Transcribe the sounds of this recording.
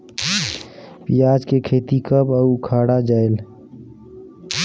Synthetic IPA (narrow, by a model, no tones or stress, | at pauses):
pijaːd͡ʒkekʰeːt̪ikəbəukʰaːɽad͡ʒaːel